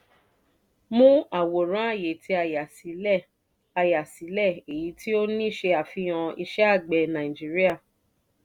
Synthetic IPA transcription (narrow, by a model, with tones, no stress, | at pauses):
mũ˦a˨wo˨ɾ̃ã˨˦a˦˨je˨tʰi˧a˧˨ja˨si˨˦lɛ˦˨ | a˧ja˨si˨˦lɛ˦˨e˨ji˨˦ti˦o˦nĩ˦˨ʃe˧a˨fĩ˧˦ã˧i˧ʃɛ˦a˦˨ɡ͡bɛ˨nã˨ĩ˨d͡ʒi˦ɾi˦a˦˨